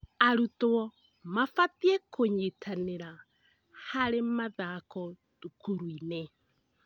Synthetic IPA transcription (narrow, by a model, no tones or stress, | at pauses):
aɾutɔ | mafatiɛkʰoɲetʰaneɾa | haɾemaðakɔ | dukuɾwinɛ